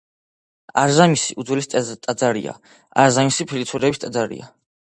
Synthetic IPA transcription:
aɾzamisiʔud̪zwɛlistt̪ʼad̪zaɾḭa̰ | aɾzamisipʰilit̪sʰuɾɛbist̪ʼad̪zaɾḭa

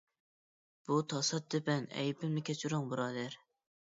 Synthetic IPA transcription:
b̥ut̪ʰɑsɑt̪̚d̪ɪpɛnɛ̰jpɪmnɪkʲʰɛt͡ʃʰuɾʊŋbuɾɑːd̪æɾ

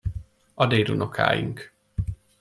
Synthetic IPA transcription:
ɒd̪eːɾunʔokʰa̰ːjiŋk

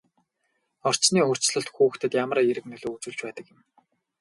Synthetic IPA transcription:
ɔr̥t͡ɕniːɵr̥t͡ɕɮɞ̆ɬt̪xuːxt̪ʰɘ̆t̪jamə̆ɾeɾɘ̆knɵɮoːut͡sŭːɮt͡ɕpæːt̪ə̆kjə̆m

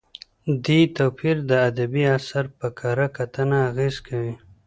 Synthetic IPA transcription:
d̪it̪opiɾd̪əad̪abiasaɾpəkʰaɾakat̪ənaːɣeːzkʰawi

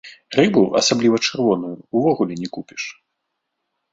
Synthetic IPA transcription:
rɨbuɐ̰sablʲivɐt͡ʂɨrvɔnujuːvɔɣulʲɛnʲɛkupʲi̥ʂ

